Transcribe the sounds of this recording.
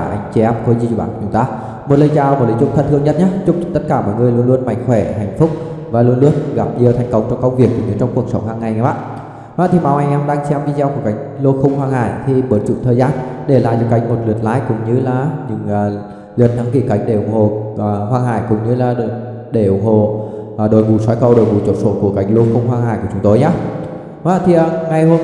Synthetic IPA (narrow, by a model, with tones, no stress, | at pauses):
ʔa˨˧˩jŋ̟t͡ɕɛ˧ɛ˧mko˧˦zi˧˩t͡ɕːɓa̰ː˧˨n˨t͡ɕʊ˨˦ŋ͡mt̪aː˧ | mo˨˩t̚lə˨˧jt͡ɕaː˧˩mo˨˩tlə˨˦jt͡ɕʊ̰˨˧˥ŋ͡mt̪ʰə˧n̚t̪ɨ˧əŋɲə˦˥t̚ɲaː˨˦t͡ɕʊ˦˥k͡p̚t̪ə˦˥t̚kaː˧˩mɔ̰˧˨jŋɨ˨˧əjlu˧ənlu˧ənma̰˨˧˩jŋ̟xwɛ˧˩ha˨˩jŋ̟fʊ˦˥k͡p̚ | vaː˨˩lu˧ənlu˧ən˧ɣa˨˩p̚ɲi˧ət̪ʰa˨˩jŋ̟kə˧wŋ͡mt͡ɕɔ˧ŋ͡mkə˧wŋ͡mvi˨˩ək̚kʰɲɨ˨˧˦t͡ɕɔ˧wŋ͡mku˨˩ək̚sə˨˦wŋ͡mhaː˧ŋːa˨˩jɲa˨˦ɓa̰ː˧˨ | maː˧˦˩t̪ʰi˨˩ma˨˩wʔa˧jŋ̟ʔɛ˧mɗaː˧ŋt͡ɕɛ˧mvi˧zɛ˧wku˧˩əka˨˦jŋ̟lo˧xʊ˧ŋ͡mhwaː˧ŋha̰ː˧˨jt̪ʰi˨˩ɓəː˨˩t͡ɕṵ˧˩˨ŋ͡mt̪ʰəː˨˩jzaː˧nɗe˧˩la̰ː˧˨zɨ˨˧˦ka˧˩jŋ̟mo˨˩t̚lɨ˨˩ət̚laː˨˦jkʊ̰˧˥ŋ͡mɲɨ˧laː˨˩ɲɨ̰˧˥ŋː˨˩ | lɨ̰˨˩ət̚na˨˦ŋki˧˩ka̰˧˩jŋ̟ɗe˧˩ʔʊ˨˧˩ŋ͡mho̰˧˨˩ɦwaː˧ŋha̰ː˧˨jkʊ̰˧˩ŋ͡mɲɨ˧laː˨˩ɗ | ɗe˧˩ʔʊ˨˧˩ŋ͡mɦo̰˧˨˩ɗo˨˩jvṵ˨˧˩swaː˨˦jkə˧wɗo˨˩jvṵ˨˧˩t͡ɕo˧˩t̚so̰˧˩ku˧˩əka˧˩jŋ̟lo˧xə˧wŋ͡mɦwaː˧ŋhaː˧˨jkət͡ɕʊ˨˦ŋ͡mt̪o˧jɲaː˨˦ | aː˧˩t̪ʰi˨˩ʔə˨˩ŋa˨˩jɦo˧